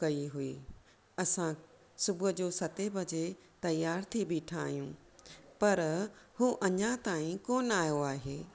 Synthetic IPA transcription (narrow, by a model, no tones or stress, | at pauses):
kɐiɦuḭː | ɐsã | sʊbʊʊd͡ʑoːsɐt̪ebʱɐd͡ʑe | t̪ɐjaːɾt̪ʰibɪʈʰaːɦijũː | pɐɾhuːʔɐɲãt̪aːĩkoːnaːjoaːɦeː